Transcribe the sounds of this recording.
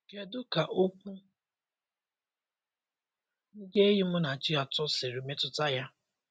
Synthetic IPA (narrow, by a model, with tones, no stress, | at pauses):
ke˦dʊ˦ka˨ʔo˦kʷu˦ | n̩˦de˦ɦi˦mʊ˦na˨t͡ʃi˦a˨tʊ˦sɪ˨ɾi˨me˦tʊ˨ta˦ja˦